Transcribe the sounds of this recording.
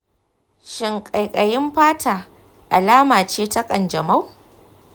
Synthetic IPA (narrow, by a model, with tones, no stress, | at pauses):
ʃɪ˨ŋkʼa˨jkʼɐ˨jɪ˦mɸaː˦tʰaː˨ | ʔa˨laː˦maː˨t͡ʃeː˦tɐ˦kʼɐ˨nd͡ʒɐ˨ma˦w